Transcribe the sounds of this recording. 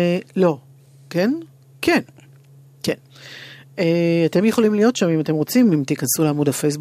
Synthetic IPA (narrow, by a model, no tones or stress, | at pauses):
lo̞ | ken | kʰen | ken | eate̞mjeχo̞limlijo̞tʃamimate̞mʁo̞t͡simimt̪ikansuleamodafejs̬bu